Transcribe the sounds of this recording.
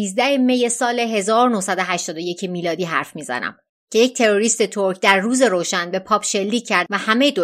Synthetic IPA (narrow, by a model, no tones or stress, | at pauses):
iːzd̪æheme̞je̞sɒːleɦe̞zɒːɾonohsæd̪o̞ɦæʃt̪ɒːd̪o̞je̞cʰemiːlɒːd̪iːɦæɾfmiːzæ̰næ̰m | cʰe̞jec̚t̪ʰe̞ɾo̞ɾiːst̪e̞t̪ʰoɾcʰd̪æɾːuːze̞ɾoːʃænbe̞pʰɒːpʃelːiːcʰːæɾd̪̚væhæme̞d̪o